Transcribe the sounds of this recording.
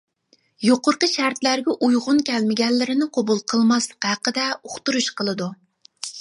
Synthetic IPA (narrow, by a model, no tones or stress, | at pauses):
joqʊɾqəʃæɾt̪læɾɡʲɛʔujʁʊnkʲʰɛlmɪɡʲɛlːɪɾɪnɪqʰobulˠqʰəlˠmɑslˠəqhæqəd̪ɛoχt̪uɾuʃqʰəlˠɨd̪u